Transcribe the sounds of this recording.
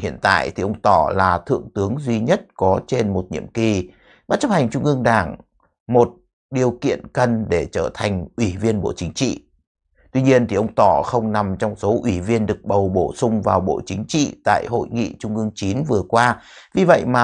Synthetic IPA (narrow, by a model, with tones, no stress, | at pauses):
hḭ˧˨ənt̪a̰ː˧˨jt̪ʰi˨˩ʔə˧wŋ͡mt̪ɔ˧˩laː˨˩t̪ʰɨ̰˧˨əŋt̪ɨ˨˦əŋzwi˧ɲə˦˥t̚kɔ˨˦t͡ɕe˧nmo˨˩t̚ɲḭ˧˨əmki˨˩ | ɓaː˦˥t̚t͡ɕə˦˥k̚ha˨˩ŋ̟t͡ɕʊ˧ŋ͡mʔɨ˧əŋɗaː˧˩ŋ | mo˨˩t̚ | ɗi˨˩əwkḭ˧˨ənkə˧nɗe˧˩t͡ɕəː˧˩t̪ʰa˨˩ŋ̟ʔwi˧˩vi˧ənɓo̰˧˩t͡ɕï˨˦ŋ̟t͡ɕḭ˧˨ | t̪wi˧ɲi˧ənt̪ʰi˨˩ʔə˧wŋ͡mt̪ɔ˧˩xə˧wŋ͡mna˨˩mt͡ɕɔ˧wŋ͡mso˨˦ʔwi˧˩vi˧ənɗɨ˨˩ək̚ɓə˨˩wɓo˧˩sʊ˧ŋ͡mvaː˨˩wɓo̰˧˩t͡ɕï˨˦ŋ̟t͡ɕḭ˧˨t̪a̰ː˧˨jɦo̰˧˨jŋḭ˧˨t͡ɕʊ˧ŋ͡mʔɨ˧əŋt͡ɕi˨˦nvɨ˨˩əkwaː˧vi˨˩və̰˧˨jmaː˨